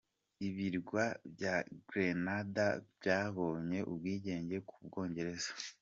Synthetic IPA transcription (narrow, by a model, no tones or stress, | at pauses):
iβiɾɡwabjaɡɾenadabjaːβo̞ːɲe̞ʔubɡiːɟe̞ːɲɟe̞kʰub̚ɡo̞ːɲɟe̞ɾe̞zḁ